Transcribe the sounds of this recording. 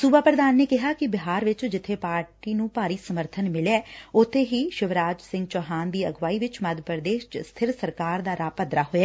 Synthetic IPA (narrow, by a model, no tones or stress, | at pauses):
suːbaːpɾəd̪aːnːeːkɪɦaːkɪbɪɦaːɾʋɪt͡ʃd͡ʒɪt̪ʰːeːpaːɾʈiːnũːpaːɾiːsəməɾt̪ʰənmɪleɛːʊt̪ʰːeːɦiːʃɪʋɾaːd͡ʒsɪ̃ŋɡt͡ʃɔːɦaːnd̪iːə̰ɡʋaːiːʋɪt͡ʃməd̪pəɾd̪eːʃt͡ʃst̪ʰɪɾsəɾkaːɾd̪aːɾaːpəd̪ɾaːɦoːɛː